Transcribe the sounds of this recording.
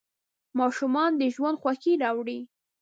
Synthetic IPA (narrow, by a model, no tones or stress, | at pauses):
mɑʃumɑnd̪əʒwand̪xwaxiɾɑwɽi